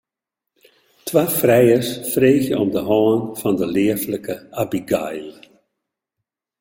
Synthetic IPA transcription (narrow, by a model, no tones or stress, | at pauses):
tʰʋaːfrɛjəsfreːxjəɔmdəɦɔːənfɑndəlɪətləkəabiɡa̰jl